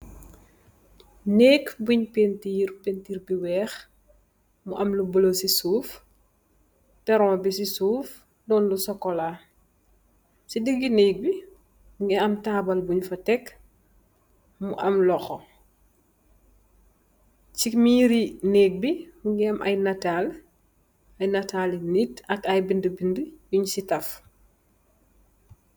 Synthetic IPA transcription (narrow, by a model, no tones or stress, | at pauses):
nɛːkbuɲpentiːrpentiːrbiwɛːx | muʔɐmlubɔlosisuːf | tɛɾɔmbisisuːf | dɔːnlusɔkːɔla | sidəɡinɛːk̚bi | ŋɡɛɐmtaːbɐlbuɲfɐtɛk | muʔɐmlɔxɔ | t͡ʃikmiːɾineːk̚biuŋɡɛɐmʔɐ̰jnatal | ɐjnɐtalnitɐkɐjbindəbindəjuɲsitɐf